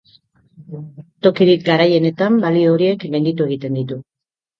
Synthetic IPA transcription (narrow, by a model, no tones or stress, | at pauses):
t̪o̞kiɾikɡaɾaje̞ne̞t̪ambalio̞ɾie̞kɡajnd̪it̪ue̞ɣ̞it̪e̞nd̪it̪u